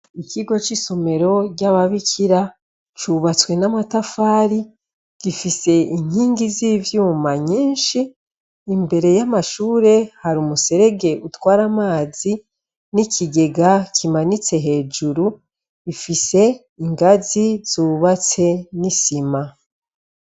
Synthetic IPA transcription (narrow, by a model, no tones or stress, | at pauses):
ikʰiɡo̞t͡ʃiso̞me̞ɾo̞ɟaβaβikʰiɾa | t͡ʃuβat͡swe̞namatafaːɾi | ɡ̥ifise̞iɲ̥hiːŋɡiziːvjuːmaɲiːnʃiː | mbe̞ɾe̞jamaʃuːɾe̞haɾumuse̞ɾe̞ɡe̞ʔutwaːɾamaːzi | nicʰiɡe̞ɡakʰimanit͡se̞ɦe̞ːd͡ʒuɾu | ifise̞ | iŋɡazizuːβat͡se̞nisima